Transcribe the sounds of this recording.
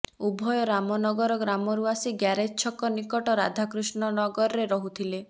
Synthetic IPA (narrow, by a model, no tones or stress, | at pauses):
ubʱɔjɔɾamɔnɔɡɔɾɔɡɾamɔɾuasiɡjaɾet͡ʃʰɔkɔnikɔʈɔɾa̰d̪ʱakɾusnɔnɔɡɔɾɔɾeɾɔɦut̪ʰile